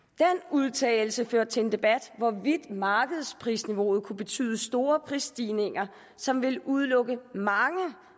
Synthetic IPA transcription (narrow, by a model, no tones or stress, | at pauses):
d̥enuð̞ˠt͡sʰɛ̰ːɪl̩səføɐ̰d̥̚t͡sʰe̝e̝nd̥e̝b̥æd̥ʋɒʋid̥mɑ̈ːɡ̥əð̞̩ˠspʰʁḭːsniʋo̝ːð̞̩ˠkʰub̥e̝t͡sʰy̰ːðˠəsd̥o̝ːɐpʰʁisd̥iːne̝ŋ̰ɐ | sɒ̽mʋe̝luð̞ˠlɔ̽ɡ̥əmɑ̈ŋə